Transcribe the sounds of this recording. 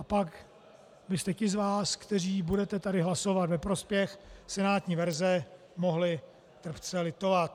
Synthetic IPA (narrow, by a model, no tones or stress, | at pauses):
ʔapak | bɪst̪ɛcɪzvaːskt̪ɛr̝iːbudɛt̪ɛt̪adɪɦlaso̞vat̪vɛpɾo̞spjɛxsɛnaːt̪ɲiːvɛɾzɛ | mo̞ɦlɪ | t̪r̩pt͡sɛlɪt̪o̞vat̪̚